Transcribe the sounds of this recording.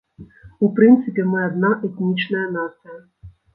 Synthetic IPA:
upɾɨnt̪sɨpʲɛmɪɐd̪naʔɛt̪ʲnʲit͡ʃnɐjɐnasɐjɐ

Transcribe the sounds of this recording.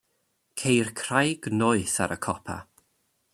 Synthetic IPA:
kʰejrkʰr̥ajɡ̥nɔɨθa̰ɾʔəkʰɔpʰa̰

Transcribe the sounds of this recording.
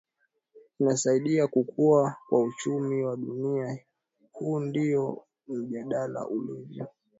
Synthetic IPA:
inasaiɗiakukʰuakwaut͡ʃumiwaɗunia | huːndiɔ | m̩ʄaɗala̰ʔulivjɔ

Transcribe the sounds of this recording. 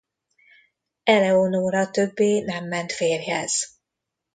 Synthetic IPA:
ɛlɛonoːɾɒt̪ø̞bːeːnɛmːɛnt̪feːrɦɛ̰z̥

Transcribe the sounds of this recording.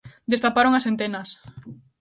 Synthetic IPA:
d̪est̪apaɾoŋasent̪enɐs

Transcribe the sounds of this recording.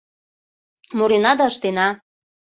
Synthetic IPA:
moɾenɑd̪ɑəʃt̪enɑ

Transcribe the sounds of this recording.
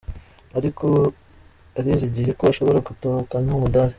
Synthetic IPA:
aɾiko | aɾiziɟiɾekoaʃo̞βo̞ɾaɡutokanaomudaɾe

